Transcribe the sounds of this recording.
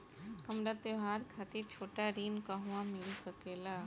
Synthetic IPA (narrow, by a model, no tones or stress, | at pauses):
hɐmɾat̪eɦaːɾkʰaːt̪it͡ʃʰoːʈaɾiːnkaɦuãmɪlsəkeːlaː